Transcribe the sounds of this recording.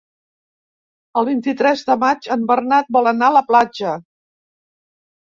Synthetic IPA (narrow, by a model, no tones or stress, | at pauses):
əlˠβint̪it̪ɾɛzðəmad͡ʒəmbərnat̪̚bɔlˠənaələplad͡ʒə